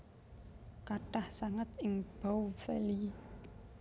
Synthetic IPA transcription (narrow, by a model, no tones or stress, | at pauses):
kaʈahsaŋat̪ɪŋb̥aufeli